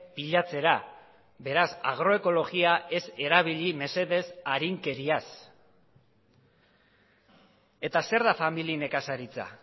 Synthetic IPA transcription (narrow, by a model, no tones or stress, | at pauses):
piʎat͡se̞ɾa | be̞ɾasa̰ɣ̞ɾo̞e̞ko̞lo̞ɣiae̞se̞ɾaβ̞iʎime̞se̞ðe̞saɾiŋke̞ɾias | e̞t̪ase̞ɾðafamiline̞kasaɾit͡sa̰